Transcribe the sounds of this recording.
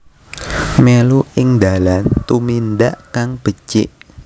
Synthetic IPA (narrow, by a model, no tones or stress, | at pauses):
meluʔɪŋd̪alant̪umind̪aʔkaŋb̥ə̤t͡ʃɪ̰ʔ